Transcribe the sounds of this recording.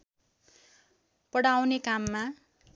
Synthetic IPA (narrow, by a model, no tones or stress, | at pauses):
pʌɽawnekamːa